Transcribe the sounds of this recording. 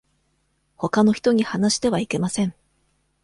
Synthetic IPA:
ho̞kano̞çi̥t̪o̞ɲ̟ihanaɕi̥t̪e̞β̞aike̞masẽ̞ɴ

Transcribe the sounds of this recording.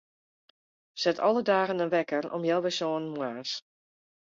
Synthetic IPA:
sɛtʰɔ̰lˠədaːɣənənʋɛkərɔ̰mjɛlˠʋɛsoːənmwaːs

